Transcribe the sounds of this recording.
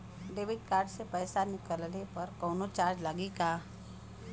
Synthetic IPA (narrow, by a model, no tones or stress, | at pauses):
ɖeːʋɪʈ̚kaːɾɖsepɛɪsanɪkəllepəɾkɔːnot͡ʃaːɾd͡ʒlaɡikaː